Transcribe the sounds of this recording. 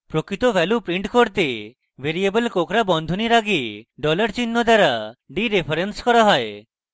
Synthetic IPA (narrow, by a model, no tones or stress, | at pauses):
pɾokɾit̪obɛlupɾiɳʈkoɾt̪e | beɾiebelkokɾabɔnd̪ʱoniɾaɡieɖɔlaɾt͡ɕinːod̪aɾaɖiɾepʰaɾenskɔɾaɦɔe